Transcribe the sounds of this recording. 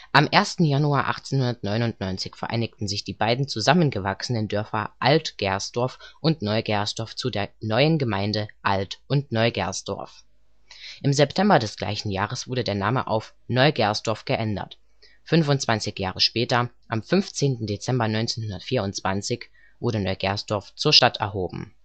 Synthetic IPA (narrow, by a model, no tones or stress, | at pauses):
ʔamʔeːɐstn̩januaːʔa̰χt͡seːnhʊndɐtnɔʏnʊntnɔʏnt͡sɪçfɛɐʔa̰ɪnɪktn̩zɪçd̥iːbaɪdn̩t͡suzamənɡəvaksənəndœɐfɐ̰ʔaltɡ̥ɛɐsd̥ɔɐfʔʊntnɔʏɡɛɐsd̥ɔɐft͡sudeːɐnɔʏənɡəmaɪndəʔaltʔʊntnɔʏɡɛ̰ɐsd̥ɔ̰ɐf | ʔɪmzɛptʰɛmbɐdɛsɡ̥la̰ɪçn̩jaːʁ̞əsv̥ʊɐdədeːɐnaːməʔa̰ʊf | nɔʏɡɛɐsd̥ɔɐfɡ̥əʔɛndɐ̰t | fʏnfʊntt͡sv̥ant͡sɪçjaːʁəʃpɛːtɐ | ʔamfʏnft͡seːntn̩det͡sɛmbɐnɔʏnt͡seːnhʊndɐtfiːɐʊntt͡sv̥ant͡sɪç | v̥ʊɐɾənɔʏɡɛ̰ɐsd̥ɔɐft͡suːɐʃtatɛ̰ɐɦoːbm̩